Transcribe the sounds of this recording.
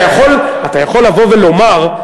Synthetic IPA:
jaχo̞latajaχo̞lːavo̞velo̞maʁ

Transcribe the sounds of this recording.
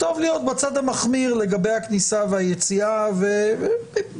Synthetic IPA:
t̪o̞vlijo̞t̪̚bat͡sad̪amaχmiʁle̞ɡabe̞jhaknisavehajet͡siave

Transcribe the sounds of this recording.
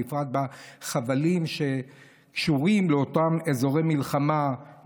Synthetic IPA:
ifʁat̪̚baχavalimʃe̞ | kʃuʁimleot̪amezo̞ʁejmilχama

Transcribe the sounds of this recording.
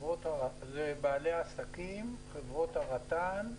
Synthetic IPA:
vʁo̞t̪aʁazebaːleaːsakimχevʁo̞t̪aʁat̪an

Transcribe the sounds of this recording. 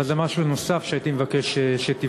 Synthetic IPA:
azemaʃuno̞safʃeait̪imevakeʃeʃet̪i

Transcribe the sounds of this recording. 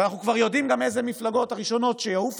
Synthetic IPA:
naχnukvaʁjo̞dimɡamezemiflaɡo̞thaʁiʃo̞no̞tʃejauf

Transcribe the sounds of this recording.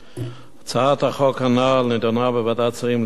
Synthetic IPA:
at͡saat̪haχokhanalned̪onabevad̪at͡saχiml

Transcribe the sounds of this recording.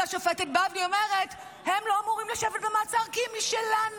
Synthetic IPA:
aʃofetet̚bavniomeʁet | hemlo̞amuʁimlaʃevet̚bemaːt͡saʁkimiʃelan

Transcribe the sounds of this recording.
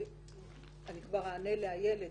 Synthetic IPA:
anikvaʁaːneleajele̞

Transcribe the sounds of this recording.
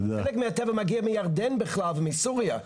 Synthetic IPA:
ɛlɛkmɪatɛvəmaɡiɐmɪjaʁdɛnbɪχlˠalˠvɪmɪsuʁja

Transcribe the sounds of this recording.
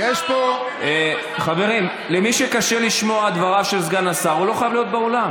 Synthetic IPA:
jeʃpo | χave̞ʁim | lemiʃekaʃe̞liʃmo̞ad̪vaʁavʃelzɡanasaʁulo̞χajavlijo̞t̪̚beolam

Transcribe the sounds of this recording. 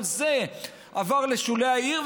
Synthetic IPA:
ze | avaʁle̞ʃuleaiʁv

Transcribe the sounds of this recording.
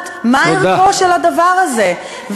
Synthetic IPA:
t̪ | maioaoʃelad̪avaʁaze̞ | v

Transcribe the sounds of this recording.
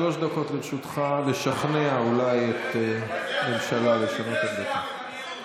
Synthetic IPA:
lo̞ʃd̪ako̞t̪ʁiʃut̪χale̞ʃaχneaulajet̪ | elʃalaleʃanot̪aɡdet̪a

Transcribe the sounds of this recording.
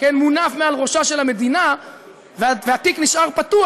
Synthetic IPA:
kenmunafmealʁo̞ʃaʃe̞lhame̞d̪ina | vveat̪ikniʃaʁpat̪u

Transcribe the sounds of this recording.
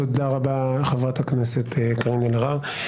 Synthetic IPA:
od̪aʁabaχevʁathakneset̪ːkʁinelʁaʁ

